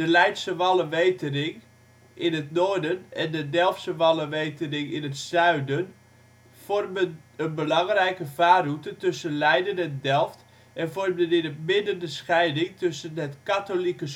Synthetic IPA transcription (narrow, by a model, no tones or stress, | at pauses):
d̥əlɛjtsəʋalˠəʋejtənɪŋ | ɪnətnoːdənɛndədɛlˠfsəʋɑlˠəʋejtənɪŋɪnətsœɥdən | fɔrmənənbəlɑŋrɛjkəvaːrutətɵsənlɛjdənɛndɛlˠft | ɛnfɔrmdənɪnəpmɪnəndəsxɛjdɪŋtɵsənətkatolikəs